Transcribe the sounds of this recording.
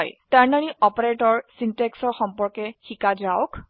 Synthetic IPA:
jtaɹnaniɔpɔɹetɔɹsintɛksɔɹxɔmpɔɹkɛxikazaʊk

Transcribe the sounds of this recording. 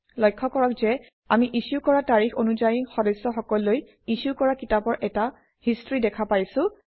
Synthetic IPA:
lɔjkʰːɔkɔɹɔkzɛ | a̰miʔisukɔɹataɹixonuzajixɔdɔsːɔxɔkɔlːoj | isukɔɹakitapɔɹʔɛta | histɹidɛkʰapajsʊ̃

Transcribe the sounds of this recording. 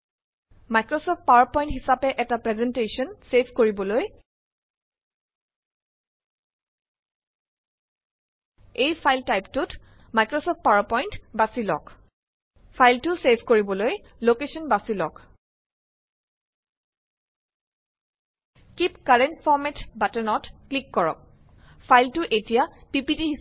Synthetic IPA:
majkɹɔsɔft̚pawapɔj̃ntɦisapɛʔɛtapɹɛzɛntesɔnsepʰkoɹibɔloj | ejpʰajltajptʊt | majkɹɔsɔp̚t̚paɹapɔjntbasilɔ̰k | pʰajltʊsebʱkoɹibɔloj | lokesɔnbasilɔ̰k | kipkaɹɛntfʰɔɹmɛtbatɛnɔtklikːɔɹɔ̰k̚ | pʰajltʊʔetijapipitiɦi

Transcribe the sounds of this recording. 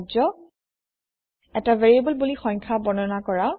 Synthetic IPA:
d͡ʒɔ | ɛtaveɹiebɔlbulixɔɲkʰabɔnɔnakɔɹa

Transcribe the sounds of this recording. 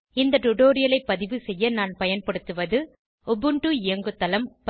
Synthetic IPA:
ɪnd̪ɐʈʊʈoːɾɪjɐlɐɪpːɐðɪʋɯsɛjːɐnaːnpɐjɐnpɐɽɯt̪ːɯʋɐðɯ | ɔbɯɳʈɯɪjɐŋɡɯt̪ːɐlɐmp

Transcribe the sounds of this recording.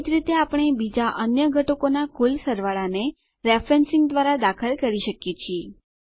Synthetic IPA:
d͡ʒɾit̪eapɽ̃ebid͡ʒaʔənjəɡʱəʈokonakulsəɾʋaɭane | ɾefɾensĩŋɡd̪ʋaɾad̪akʰəlkəɾiʃəkjet͡ʃʰie

